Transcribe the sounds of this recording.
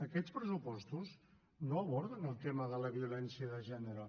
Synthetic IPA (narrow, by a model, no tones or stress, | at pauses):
əkɛt͡spɾəsupɔst̪uz | noəβɔɾðənəlˠt̪eməðələβiulɛnsiəðəʒɛnəɾə